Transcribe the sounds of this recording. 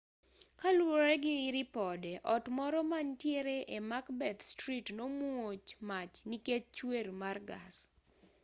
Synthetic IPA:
kalwoɾɛɡɪɪɾɪpɔdɛʔɔtmɔɾɔmaɲtjeɾeʔemakbɛt̪stɾitnomuot͡ʃmat͡ʃniket͡ʃt͡ʃweɾmarɡa̰s

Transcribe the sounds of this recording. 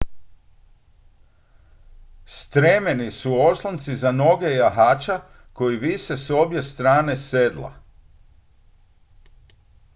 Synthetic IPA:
st̪ɾemenisuo̞slˠant̪sizano̞ɡe̞jaɦaːt͡ʃa | ko̞iʋiʃeso̞bje̞st̪ɾaːne̞sed̪la̰

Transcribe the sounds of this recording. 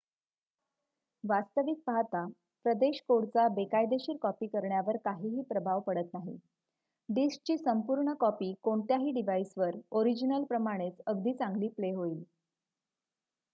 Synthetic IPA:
ʋast̪əʋik̚paɦt̪a | pɾəd̪eɕkoɽt͡sabekajd̪eɕiːɾkɔpiːkəɾɳjaʋəɾkaɦiːɦiːpɾəbʱaʋpəɽət̪naɦḭ | ɖisk̚t͡ɕiːsəmpuːɾɳəkɔpiːkoɳt̪jaɦiːɖiʋaisʋəɾoɾid͡ʑinəlpɾəmaɽ̃et͡səɡd̪ʱiːt͡saŋɡliːpleɦoiːl

